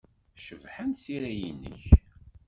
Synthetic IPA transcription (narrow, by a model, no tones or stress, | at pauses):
ʃəvħænsiɾæjinːə̰ç